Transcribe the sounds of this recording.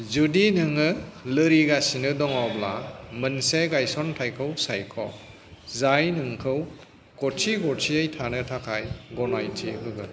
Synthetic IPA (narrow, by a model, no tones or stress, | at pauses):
zudinɯŋɯlɯɾiɡasinɯdɔŋawbla̰mɯnseɡajsɔntʰajkʰɯwsajkʰɔ | zajnɯŋkʰɯw | kɔtʰiɡɔtʰiɯjtʰanɯtʰakʰajɡɔnajtʰiɦɯɡɯl